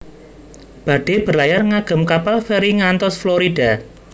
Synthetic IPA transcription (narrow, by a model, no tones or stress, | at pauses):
b̥a̤ɖ̥e̤b̥ə̤rlajarŋaɡ̥ə̤mkapalfeɾiŋant̪ɔsfloɾid̥a̤